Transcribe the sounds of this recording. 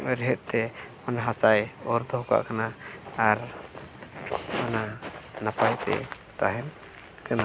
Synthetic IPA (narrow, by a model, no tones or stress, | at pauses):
ɾɛɦɛt̪̚ˀt̪ɛmanaɦasajɔɾd̪ɔɦɔka̰ʔkanaːɾ | mananapajt̪ɛ̰ | t̪aɦɛn | kana